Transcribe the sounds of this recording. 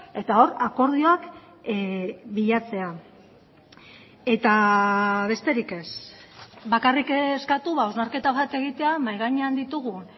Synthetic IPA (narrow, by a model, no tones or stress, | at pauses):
e̞t̪ao̞ɾako̞ɾð̞io̞ak | biʎat͡se̞a | e̞t̪aβe̞st̪e̞ɾike̞s | βakarikeskat̪uβao̞znaɾke̞t̪aβat̪e̞ɣit̪e̞amajɣ̞aɲeand̪it̪uɣ̞un